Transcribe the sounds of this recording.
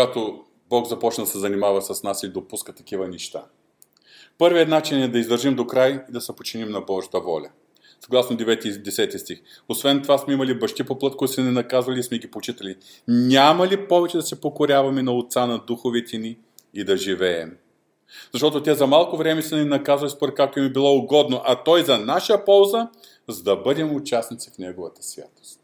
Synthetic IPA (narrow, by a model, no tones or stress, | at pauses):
kɡat̪o | bɔɡzɐpɔt͡ʃnɐd̪ɐsɛzɐnimavɐsɐsnasilid̪opuskət̪ɐk̟ivɐnɛʃt̪a | pɤɾviɐt̪nat͡ʃinɛd̪ɐizd̪əɾʒimd̪okɾajid̪ɐsɛpot͡ʃinimnɐbɔʒɐ̥t̪əvɔlʲɐ | sɐɡlˠasnod̪ɛvɛt̪id̪ɛsɛt̪ist̪ix | osvɛnt̪ovasmɛimɐlibɐʃt̪ipoplˠɤt̪̚kɔit̪smɛnɛnɐkazvɐlʲiːsmɛɡipot͡ʃit̪ɐli | nʲamɐlipɔvɛt͡ʃɛd̪ɐsɛpokoɾʲavɐmɛnɐot̪sanɐd̪uxovɛt̪ɛniː | d̪ɐʒivɛɛm | zɐʃt̪ɔt̪ʊt̪ʲɛzɐmalˠkʊvɾɛmɛsɛnɛnɐkazvɐlʲispoɾɛt̪̚kak̚t̪ʊɛmibilˠɔʊɡɔd̪noʔɐt̪ɔjzɐnaʃəjəpɔlˠzə | zɐd̪ɐbɤd̪ɛmʊt͡ʃasnit̪sifnɛɡovɐt̪ə̥svʲja̰t̪o̥st̪